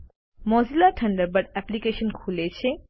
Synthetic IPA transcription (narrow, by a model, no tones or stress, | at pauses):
mɔzilaʈʰə̃ɳɖəɾbəʈɛplikeʃənkʰulet͡ɕʰe